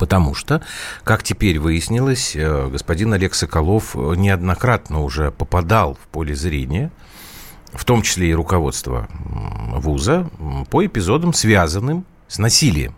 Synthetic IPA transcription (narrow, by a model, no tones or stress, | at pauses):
pət̪ɐmuʂt̪okaktʲɪpʲeɾʲvɨjɪsʲnʲɪlˠəsʲɡəspɐdʲinɐlʲeksəkɐlˠo̞fnʲɪɐd̪nɐkɾat̪nəʊʐɛpəpɐd̪alˠfpolʲɪzɾʲenʲɪjə | ft̪o̞mt͡ɕɪ̥sʲlʲeɪɾʊkɐvo̞̰t̪st̪və̰ | vuzəpəɪpʲɪzo̞d̪əmsvʲazənːɨm | snɐsʲilʲɪ̰jɪ̰m